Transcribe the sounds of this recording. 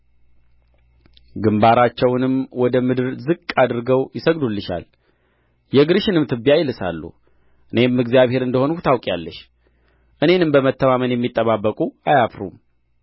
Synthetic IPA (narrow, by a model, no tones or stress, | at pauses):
ɡɨmbaɾat͡ʃːɛwnɨmwɔd̪əmɨd̪ɨɾzɨkʼːad̪ɾɨɡəwjɪsəɡd̪ulːɨʃa̰l | jɛɡɨɾɨʃɪnɨmt̪ʰɨbːjajɪlɨsa̰lːṵ | ʔɨne̞mːɨɡzjaβhe̞ɾɨnd̪əho̞nhʊt̪ʰawkʼja̰lːəʃ | ʔɨne̞nɨmbəmət̪ʰːəmamənjɛmːit̪ʼːəβabːəkʼuajafɾṵm